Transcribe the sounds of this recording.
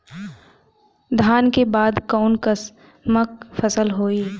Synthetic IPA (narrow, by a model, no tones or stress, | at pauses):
d̪ʱaːnkebaːd̪kɔːnkəs | mək̚fəsəlɦoːiː